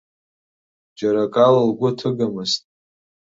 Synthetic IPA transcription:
d͡ʒaɾakʼalalɡʷʊtʰɨɡamɨztʼ

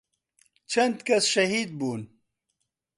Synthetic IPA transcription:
t͡ʃʰɐnd̪kɐsʃɐɦiːd̪̚buːn

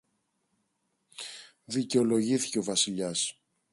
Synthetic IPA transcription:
ðice̞o̞lo̞ʝiθi̥ceo̞vɐsiʎɐs

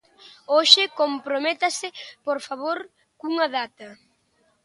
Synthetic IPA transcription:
oʃɪkompɾomet̪ɐsɪpoɾfaβ̞oɾ | kuŋɐðat̪ɐ

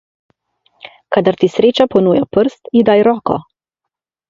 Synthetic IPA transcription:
kad̪aɾt̪isɾeːt͡ʃapɔnuːjapəɾst̪id̪ajɾɔːkɔ̰

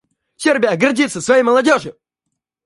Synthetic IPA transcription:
sʲerbʲɪjəɡɐrdʲit̪sːəsvɐjejməlˠɐdʲoʐɨ

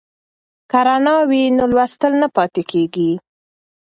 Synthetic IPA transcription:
kaɾanɑwinolwast̪əlnapɑt̪ekeɡi

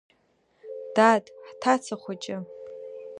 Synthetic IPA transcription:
d̥atʼħtʰat͡sʰaχʷat͡ʃʼɪ

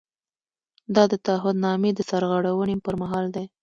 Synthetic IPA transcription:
d̪ɑd̪ət̪aaɦʊd̪nɑmed̪əsaɾɣəɽawənepəɾmaɦɑld̪e

